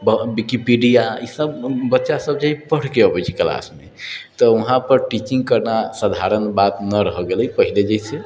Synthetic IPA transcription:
bəbikipiɖijaisəbːətːʃasəb̚d͡ʒaɦipəɽ̤keəbɛjt͡ʃʰi̥kəla̰smet̪ɔuɦãpəɾʈit͡ʃiŋɡ̚kəɾnasəd̪ʱaɾənbat̪nəɾəɦɔɡeləjpəɦiled͡ʒəise

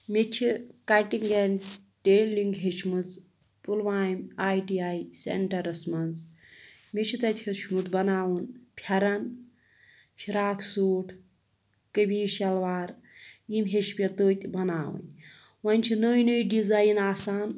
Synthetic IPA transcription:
mʲet͡ʃʰikɐʈiŋɡeːn | ʈeːlliŋɡɦet͡ʃʰmɨt͡s | pulʋaːjmʲaːjʈiːaːjsḛɳʈɐɾɐsmɐnz | mʲet͡ʃʰit̪ɐt̪ʲʰhit͡ʃʰmut͡s̪bɐnaːwunpʲʰjɐɾɐn | ʃʰiɾaːkʰsuːʈʰ | kəbiːʃɐlʋaːɾ | jimɦeʃpʲɐt̪oːt̪ʲbɐnaːwṵnʲ | wɐnʲt͡ʃʰinəːjnəjɖizaːjinaːsaːn

